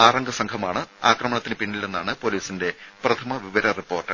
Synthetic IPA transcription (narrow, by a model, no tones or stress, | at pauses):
aːrɐŋɡɐsɐŋkʰɐmaːɳɨaːkrɐmɐɳɐt̪ːinɨpiɳːile̞nːaːɳɨpo̞liːsinde̞prɐt̪ʰɐmɐʋiʋɐɾɐripːo̞ːrʈːɨ